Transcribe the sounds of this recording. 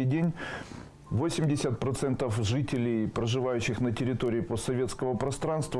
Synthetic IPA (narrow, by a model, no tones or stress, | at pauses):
ɪjdʲenʲ | vosʲɪmʲdʲɪsʲət̪̚pɾɐt̪sɛnt̪əfʐɨtʲɪlʲɪjpɾəʐɨvajʉɕːɪxnətʲɪɾʲɪt̪oɾʲɪːpost̪sɐvʲe̞t̪skəvəpɾɐst̪ɾanst̪və